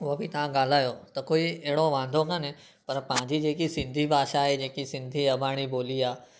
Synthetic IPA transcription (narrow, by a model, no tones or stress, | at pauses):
oəbʱit̪ɐʋ̤ãɡaːl̤aːjoːt̪ɐkoːieɦɪɽoʋãːnd̪ʱokɐ̃nẽ | pɐɾpãːɪ̃ɲd͡ʒid͡ʒeːkisɪ̃nd̪ʱibʱaːʃaɦed͡ʒeːkisɪ̃nd̪ʱiɐbʱaːɽ̃iboːliaː